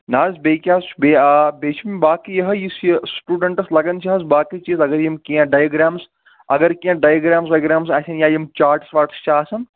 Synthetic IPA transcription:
naːzbeːkʲjaːsbebeːt͡ʃʰmibaːkijɐɦɐjisjsʈuːɖɐɳʈɐslɐɡɐnt͡ʃʰiɦɐz̬baːkit͡ʃiːzɐɡɐɾjɐmkiãɖaːjɐɡɾaːms | ɐɡɐɾkiãɖaːjɐɡɾaːmsɐɡɾaːmsaːsʲʰɐnjaːjimt͡ʃaːɾʈsʋaːʈst͡ʃʰaːsɐn

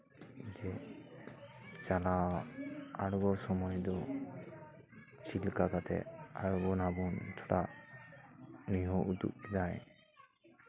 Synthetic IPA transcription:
d͡ʒɛ | t͡ʃala | aɽɡɔsɔmɔjd̪ɔ | silkakat̪ɛ̰aɽɡɔnabɔnt͡ʃʰɔʈaʔ | niɦɔʔud̪ṵʔ̚kɛd̪aj

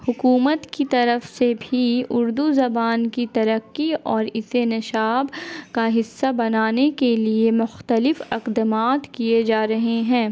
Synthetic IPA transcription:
hʊkuːmət̪kit̪ɐɾəfsebʱiʊɾd̪uzɐbaːnkit̪ɐɾəkːiɔːɾɪsenɐʃaːbkaɦɪsːabɐnaːnekeliemʊxt̪əlɪfɐqd̪əmaːt̪kijed͡ʒaːɾɐɦeɦɛ̃ː

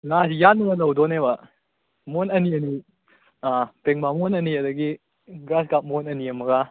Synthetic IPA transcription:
ŋasijanːɐŋɐlɐwdɔnebɐ | monɐniɐni | apeŋmamonɐniɐdɐɡi | ɡɾasɡap̚monɐniɐmɐɡa

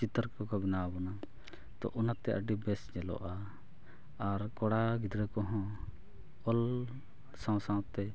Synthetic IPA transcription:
t͡ʃit̪əɾkɔkɔbinabɔna | d̪̥ɔ̰ʔunat̪ɛʔa̰ɖibɛsɲɛlɔ̰ʔa | aɾkɔɽaɡid̪ɾɛkɔɦɔ̃ | ɔl | sãw̃sãwt̪ɛ

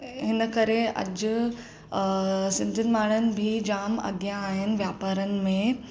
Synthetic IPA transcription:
ɦɪnəkɐɾeɐ̰d͡ʑʊ | sɪ̃nd̪ʱənɪ̆maːɽ̃ənɪ̆bʱid͡ʑaːmɐ̰ɡjãːɦɪnɪ̆ʋjaːpaːɾənɪ̆mẽ

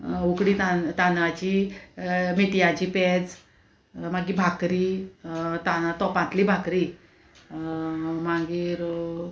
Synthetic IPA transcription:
ukɽit̪at̪anʋat͡ɕi | miʈijãt͡ɕipɛd͡z | maɡibʱakɾiː | t̪ant̪ɔpãt̪liːbʱakɾi | mãɡiːɾ

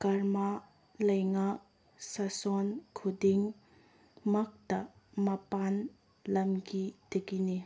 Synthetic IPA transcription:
kaɾma | lɐjŋak̚ | sɐsonkʰudiŋ | mɐk̚tɐmɐpan | lɐmɡid̥iɡini

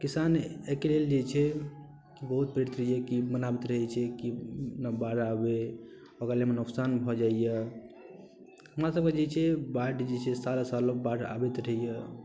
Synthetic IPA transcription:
kisanekeleld͡ʒet͡ʃʰɛ | ibəɦut̪̚pɾeɾit̪ɾəɦijekimənabit̪ɾəɦɛt͡ʃʰɛkinabaɽabe | okɾalemenuksanbʱɔd͡ʒaijɛ | ɦəmɾasəb̚ked͡ʒet͡ʃʰɛbaʈd͡ʒet͡ʃʰɛsalasalobaɽa̰bet̪ɾəɦijɛ

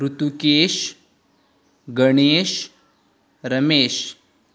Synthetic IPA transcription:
ɾut̪ukeːʃ | ɡəɳ̃eːɕ | ɾəmeːʃ

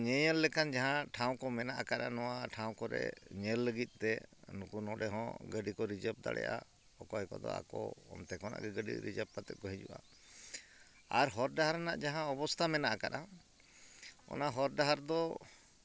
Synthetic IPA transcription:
ɲɛɲɛlːɛkand͡ʒaɦãʈʰaw̃kɔmɛnaʔakaɗanɔwaʈʰaw̃kɔɾɛ̰ɲɛlːəɡit̪̚ˀt̪ɛnukunɔɖɛɦɔ̃ɡəɖikɔɾid͡ʒəp̚d̪a̰ɽɛ̰jʔa̰ | ɔkɔɦɛkɔd̪ɔ̰a̰kɔɔ̰mt̪ɛkɔna̰ʔɡɛɡəɖḭɾid͡ʒəp̚pat̪ɛt̪̚ˀkɔɦĩd͡ʒṵʔa̰ | aɾɦɔɾɖaɦaɾanaʔd͡ʒaɦãɔbɔst̪ʰamɛnaʔakaɗa | ɔ̰naɦɔɾɖaɦaɾd̪ɔ

